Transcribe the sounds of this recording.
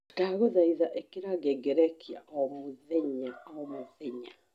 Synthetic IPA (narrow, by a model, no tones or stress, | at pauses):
kaɣɔðaiðaʔekeɾaɡɛɡɛɾɛkia̰ʔɔmoðɛɲaɔmoðɛɲa